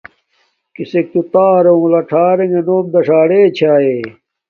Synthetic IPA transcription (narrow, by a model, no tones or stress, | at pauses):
kisek̚t̪ut̪aːɾeũlɐʈʰaːɾeŋenoːmd̪ɐʂaːɽeːt͡ɕʰaːeː